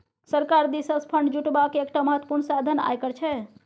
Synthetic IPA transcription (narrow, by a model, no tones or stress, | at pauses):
səɾkaɾd̪isəspʰəɳɖd͡ʒuʈbakeek̚ʈaməɦət̪wə̥puɾɳsad̪ʱəna̰jkəɾt͡ʃʰɛ